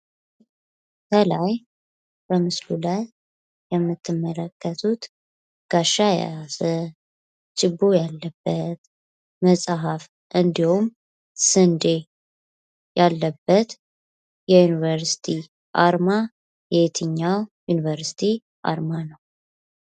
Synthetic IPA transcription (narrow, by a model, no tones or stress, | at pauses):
kʰəlaj | b̥əmɨslulaj | jɛmːɨt̪ʰːɨmːələkːət̪ʰut̪ | ɡ̥aʃːaja̰zə | t͡ʃʼɪbːojalːəbːət̪ | məsʼɦaf | ʔɨnd̪ihum | sɨnd̪e | jalːəbːət̪ | jɛjunivəɾsi̥t̪ʰi | ʔaɾma | jɛt̪ʰɨɲːawjunivəɾsi̥t̪ʰi | ʔa̰ɾmanəw